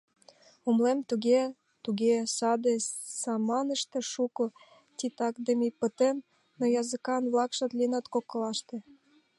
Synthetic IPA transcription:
umlemt̪uɣe | t̪uɣesɑd̪esɑmɑnəʃt̪ĕʃuko | t̪ʲit̪ɑkd̪əmijpə̆t̪em | nojɑzəkɑnβlɑkʃɑt̪linɑt̪kokɤ̆lɑʃt̪ĕ

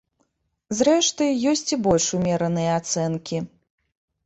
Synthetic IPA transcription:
zɾɛʂt̪ɐjjɔsʲt͡sʲibɔlʲʂumʲɛɾɐnɨjɐat̪sɛnkʲi

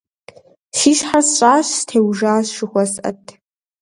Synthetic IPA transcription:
ʃiːʃħarsɕʼaːɕstʰeːwʒaːsʃɪχʷɔsʔɐ̰tʰ

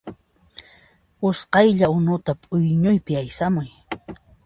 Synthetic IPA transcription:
ʊsqɑjʎaʊnʊt̪apʼʊjɲʊjpɪajsamʊj

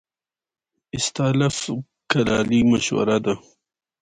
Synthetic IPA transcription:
ɪst̪aːlaf | kɐɾaːlimɐɕwɐ̰ɾad̪a

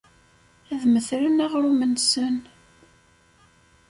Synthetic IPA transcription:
æðməθɾənaʁɾumənsən

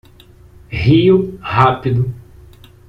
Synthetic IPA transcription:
hiʊhapid̪ʊ

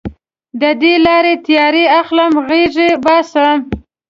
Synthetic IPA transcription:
d̪əd̪elɑɾet̪jɑɾeaxlamɣeʐebɑsəm

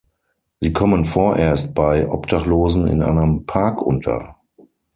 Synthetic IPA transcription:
z̥iːkʰɔmənfoːɐʔeːɐst̚b̥aɪʔɔpd̥aχloːzn̩ɪ̰nʔa̰ɪnəmpʰaɐkʔʊ̰ntʰɐ̰

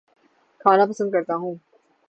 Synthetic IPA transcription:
kʰaːnapɐsə̃nd̪̚kɐɾt̪aɦũː

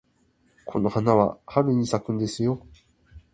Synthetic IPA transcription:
kʰo̞no̞hanaβa̰haɾɯ̟ɲ̟isakɯ̟̃nd̪e̞sɨjo̞

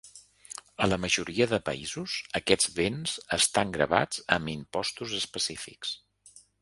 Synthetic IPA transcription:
ələməʒuɾiəðəpə̰izuzəkɛd͡zβenz̥əst̪aŋɡɾə̰βa̰d͡zəmimpɔst̪uzəspəsifḭks

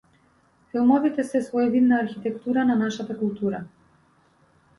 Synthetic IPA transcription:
filˠmɔvit̪ɛsɛsvɔjɛvid̪naːɾxit̪ɛkt̪uɾananaʃat̪akulˠt̪uɾa

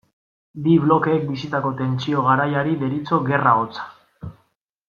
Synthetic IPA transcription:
biβlo̞ke̞ːk̚bisit̪ako̞t̪e̞nt͡sio̞ɣ̞aɾajaɾiðe̞ɾit͡so̞ɣe̞raot͡sḁ

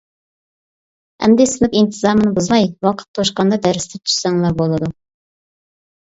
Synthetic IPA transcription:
æ̰md̪ɪsɪlɪpint̪ʰɨzɑɾmɨnɨbuzmɑjwɑqʰə̥t̪̚q̪ʰoʃqɑnd̪ɑd̪æɾst̪ʰɛt̪ʰy̥ssɛŋlˠɑɾbolˠɨd̪u

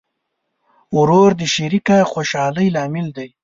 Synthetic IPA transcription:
ʊɾoɾd̪əʃiɾikaxoʃɑːləjlɑːmɪld̪aj

